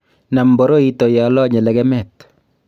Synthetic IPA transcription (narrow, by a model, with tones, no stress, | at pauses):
na˨mbɔ˨˦ɾo˦i˦to˨ja˨lɔ˦ɲɛ˨lɛ˨ɡɛ˦mɛ˦t